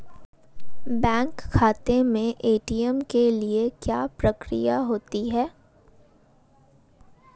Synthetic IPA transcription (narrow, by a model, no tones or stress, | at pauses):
bɛ̃ːŋkʰːaːt̪emẽʔeːʈijəmkeliekjaːpɾɐkɾḭjaɦoːt̪iɦɛː